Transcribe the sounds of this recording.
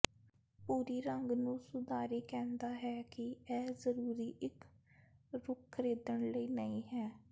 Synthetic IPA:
puːɾiːɾəŋɡnũːsʊd̪aːɾiːkɛ̃ːnd̪aːɦɛːkɪɛːzəɾuːɾiːʔɪk | ɾʊkʰːɾeːd̪əɳləiːnəĩːɦɛː

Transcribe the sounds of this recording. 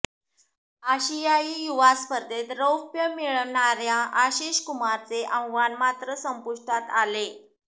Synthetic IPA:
aɕijaiːjuʋaspəɾd̪et̪ɾəwpjəmiɭɳaɾjãʔaɕiɕkumaɾt͡seʔə̃wɡʋanmat̪ɾəsəmpuʂʈat̪ale

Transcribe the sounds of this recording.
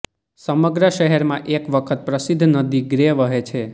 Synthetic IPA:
səməɡɾəʃəɦɛɾmãʔekʋəkʰət̪̚pɾəsid̪ʱːnəd̪iɡɾeʋəɦet͡ʃʰe

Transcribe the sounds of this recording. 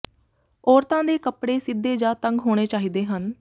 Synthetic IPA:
ɔːɾt̪ãːd̪eːkəpɽeːsɪd̪ːeːd͡ʒãːt̪əŋɡɦoːɽ̃eːt͡ʃaːɦiːd̪eːɦən

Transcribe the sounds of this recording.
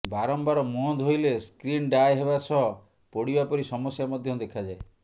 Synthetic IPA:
baɾɔmbaɾɔmuɔnd̪ɦojleskɾinɖajɦebasɔɦɔ | poɽibapɔɾisɔmɔsjamɔd̪ʱjɔd̪ekʰad͡ʒae

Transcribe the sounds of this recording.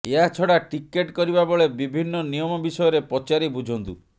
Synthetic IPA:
eɦat͡ʃʰɔɽaʈikeʈkɔɾibaboɭebibʱinːɔnijɔmɔbisɔjɔɾepɔt͡ʃaɾibud͡ʒʱɔnt̪u

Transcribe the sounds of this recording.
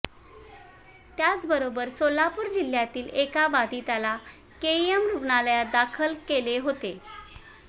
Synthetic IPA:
t̪jat͡sbəɾobəɾsolapuːɾd͡ʑil̤jat̪iːlekaʋad̪it̪ala | keemɾubɳaljad̪akʰəlkeleɦot̪e

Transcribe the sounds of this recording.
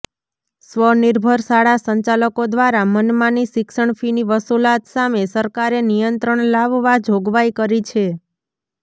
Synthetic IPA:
sʋəniɾbʱəɾsaɽasəɲt͡ʃaləkod̪ʋaɾamənmãnisɪkʃəɳfiniʋəsulat̪samesəɾkaɾenijənt̪ɾəɳlaʋːad͡ʒʱoɡʋaikəɾit͡ʃʰe

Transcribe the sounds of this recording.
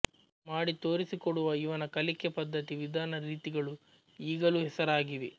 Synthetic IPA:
maːɽit̪oːɾisikɔɽuʋɐiʋɐnɐkɐlikːepɐd̪ːɐt̪iʋid̪ʱaːnɐɾiːt̪iɡɐɭu | iːɡɐluɦɛsɐɾaːɡiʋi

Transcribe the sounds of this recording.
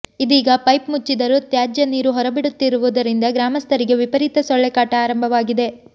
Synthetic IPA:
id̪iːɡɐpɐjpmut͡ʃːid̪ɐɾut̪jaːd͡ʒjɐniːɾuɦɔɾɐbiɽut̪ːiɾuʋud̪ɐɾind̪ɐɡɾaːmɐst̪ʰɐɾiɡe̞ʋipɐɾit̪ɐsɔɭːɛkaːʈɐaːɾɐmbʱɐʋaːɡid̪e̞

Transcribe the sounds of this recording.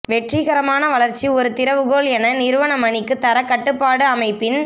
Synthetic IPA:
ʋɛʈriɣɐɾɐmaːnɐʋɐɭɐɾt͡ʃːiɔɾɯt̪ɪɾɐʋɯɣoːɭɛnɐnɪɾɯʋɐnɐmɐɳɪkːɯt̪ɐɾɐkːɐʈːɯpːaːɽɯɐmɐɪpːɪn

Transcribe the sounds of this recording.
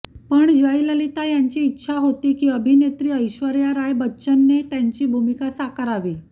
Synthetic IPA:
pəɳd͡ʑəjləlit̪ajaɲt͡ɕiːtːɕʰaɦot̪iːkiːəbʱinet̪ɾiːəjɕʋəɾjaɾajbətːɕənːet̪jaɲt͡ɕiːbʱumikasakəɾaʋiː

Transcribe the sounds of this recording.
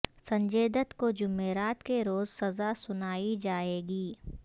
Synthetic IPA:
sɐ̃ɲd͡ʒeːd̪ət̪kod͡ʒʊmːeːɾaːt̪keɾoːzsɐzasʊnaːid͡ʒaːeːɡiː

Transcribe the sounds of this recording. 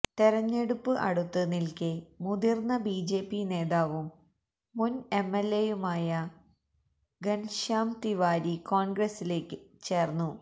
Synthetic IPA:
t̪eɾɐɲːe̞ɽupːɨʔɐ̰ɽut̪ːɨnilkɨmuðirnːɐbiːd͡ʑe̞ːpːine̞ːðaːʋumː | une̞mːelːejumaːjɐ | ɡɐnʂaːmt̪iʋaːɾikoːnɡɾesile̞ːkːɨt͡ɕeːrnːu

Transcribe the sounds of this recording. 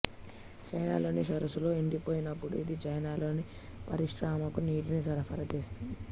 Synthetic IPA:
t͡ʃɐjna̰ːlo̞ːnisɐɾɐsulo̞ːiɳɖipo̞ːjinɐpːuɽuid̪it͡ʃɐjnaːlo̞ːni | pɐɾiʂɾaːmɐkuniːɾinisɐɾɐfɐɾɐt͡ʃeːst̪und̪i

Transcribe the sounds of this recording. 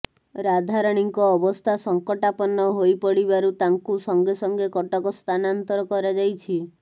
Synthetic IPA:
ɾad̪ʱaɾɔɽ̃iŋkɔːbɔst̪ʰasɔŋkɔʈapɔnɔɦojpɔɽibaɾut̪aŋkusɔŋɡesɔŋɡekɔʈɔkɔst̪ʰanant̪ɔɾɔkɔɾad͡ʒajt͡ʃʰi

